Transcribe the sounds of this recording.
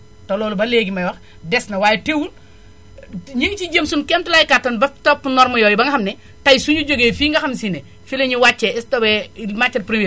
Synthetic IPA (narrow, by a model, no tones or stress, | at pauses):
tolɔːlubɐleːɡimɐjwɐx | dɛsnɐwaːjɛtewun | ɲiŋt͡ʃid͡ʒemsunkɛmtulajkatːɐnbɐtɔpːunɔɾmɐjɔːjibɐŋɡɐxɐmnɛ | tɐjsuɲuɟoɡeːfiːŋɡɐxɐmsinɛ | fileɲuwat͡ʃːɛɛstɔbɛmat͡ʃːɐt̚pɾimie